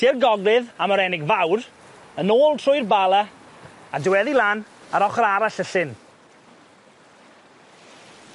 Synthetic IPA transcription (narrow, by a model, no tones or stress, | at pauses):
tʰirɡɔɡlˠɪðaməɾɛnɪɡvawr | ənoːlˠtʰrʊjrbalˠa | adɪwɛðilanaɾɔχɾaɾaɬəɬɪn